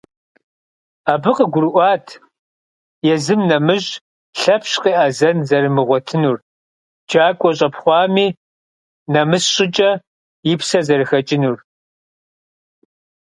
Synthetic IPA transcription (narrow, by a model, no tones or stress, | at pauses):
aːbɨqəɡʷʊɾɨʔʷɑːtʰ | jɛzɨmnɐmɨʑ | ɬɐpʰɕqiːʔazɐnzɐɾɨmɨʁʷɔtʰɨnuːr | d͡ʒaːkʷʼɔɕʼɐpχʷɑːmiː | nɐmɨsɕʼɪt͡ʃʼɐ | jɪpsɐzɐrɨxɐt͡ʃʼɪnur